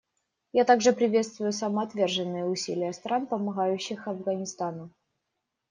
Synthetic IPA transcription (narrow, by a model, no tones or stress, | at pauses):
jat̪aɡʐɨpɾʲɪvʲe̞t̪st̪vʊjʊsəmɐɐt̪vʲe̞rʐɨnːɨjəʊsʲḭlʲɪjəst̪ɾʔanpəmɐɣajʉɕːɪxɐvɡənʲɪst̪anʊ